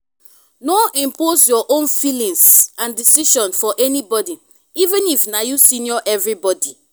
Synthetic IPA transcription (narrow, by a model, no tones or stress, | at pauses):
noʔĩmposjɔʔõnfilĩŋsãndisiʃɔ̃nfɔʔɛnibɔdi | ivɛ̃nifnajusĩnjɔʔɛvɹibɔdi